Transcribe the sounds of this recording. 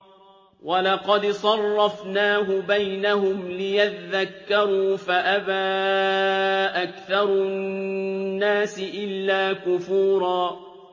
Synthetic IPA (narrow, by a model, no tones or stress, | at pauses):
wɑlɑqɑd̪sˤɑrˤːɑfnaːɦʊbajnahʊmlɪjat̪aðakːɑɾˤuːfaʔabaː | ʔakθɑɾˤʊ | nːaːsɪʔɪlːaːkʊfuːɾˤɑː